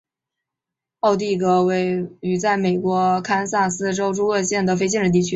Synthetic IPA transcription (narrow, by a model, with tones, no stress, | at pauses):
ɑ˥˧ʊt̪̬i˥˩kɤ˧˥we˥˩ɪy˨˩t͡sa˥˩ɪme˨˩ɪkwɔ˧˥kʰa˥nsa˥˩sɹ̩˥ʈ͡ʂo˥ʊʈ͡ʂu˥ɤ˥˧ɕjɛ˥˩nd̪ə˩f̬e˥ɪt͡ɕ̬jɛ˥˧nʈ͡ʂ̩ɻ̩˥˩t̪̬i˥˩t͡ɕʰy˥